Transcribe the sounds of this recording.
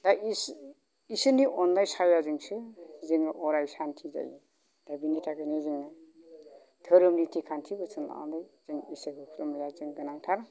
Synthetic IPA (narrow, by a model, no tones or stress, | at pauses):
dais | isɯniʔɔndajsajazɯŋsɯzɯŋʔɔɾajsantʰiza̰jḭ | d̥abinitʰaɡɯnizɯŋɯ | tʰɯɾɯmnitʰikʰantʰibɯt͡sʰɯna̰ndajz̥ɯŋiseɡɯpʰlɯmjazɯŋɡɯnaŋtʰaɾ